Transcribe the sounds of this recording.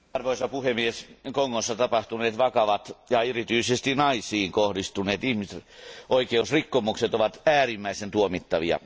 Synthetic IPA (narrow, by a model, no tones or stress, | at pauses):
ɑrʋoisɑpuhemieskoŋːosːɑt̪ɑpɑht̪uneːt̪ʋɑkɑʋɑt̪jɑerit̪yisest̪inɑisˑiːŋkohdist̪uneːt̪ihmiseʔoikeusrikːomukset̪oʋɑt̪æːrimːæisent̪uomit̪ːɑʋiɑ̰